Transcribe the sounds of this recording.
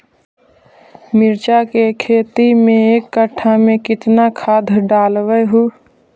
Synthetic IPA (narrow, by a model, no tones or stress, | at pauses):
mɪɾt͡ʃakekʰeːt̪imẽeːkːəʈʰːamẽkɪt̪nakʰaːd̪ʱɖaːlwəɦuː